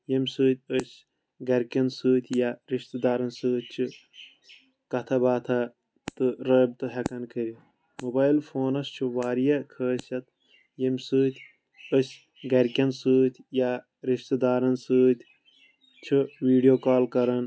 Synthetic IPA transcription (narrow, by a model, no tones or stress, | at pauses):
jɐmʲsɨːt̪ʲɨsʲ | ɡɐɾʲkʲɐnsɨːt̪ʰʲjaɾiʃt̪ɐd̪aːɾɐnsɨːt̪̚t͡ʃʰu | kɐt̪ʰɐbaːt̪ʰɐ | t̪ɨɾəːb̚t̪ɨɦɐkɐnkʰɨɾi | mobaːilfʰoːnɐst͡ʃʰuʋaːɾijɐkʰəːsɐt̪ | jemʲsɨːt̪ʰʲ | əsʲ | ɡɐɾkʲɐnsɨːt̪ʲʰja | ɾiʃt̪ɐd̪aːɾɐnsɨːt̪ʲ | t͡ʃʰuʋiːɖijoːkaːlkɐɾɐn